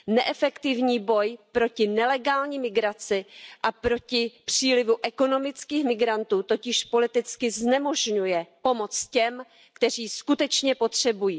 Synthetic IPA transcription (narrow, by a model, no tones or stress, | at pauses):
nɛʔɛfɛkt̪ɪvɲiːbo̞jpɾo̞cɪnɛlɛɡaːlɲiːmɪɡɾat͡sɪʔapɾo̞cɪpr̝̥iːlɪvuʔɛko̞no̞mɪt͡skiːxmɪɡɾant̪uːt̪o̞cɪʃpo̞lɪt̪ɪt͡skɪznɛmo̞ʒɲujɛpo̞mo̞t͡scɛm | kt̪ɛr̝iːskut̪ɛt͡ʃɲɛpo̞t̪r̝̥ɛbujiː